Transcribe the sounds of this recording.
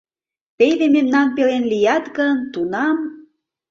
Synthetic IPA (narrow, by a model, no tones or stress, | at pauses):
pejβememnɑnpelenlijɑt̪ɡənt̪unɑm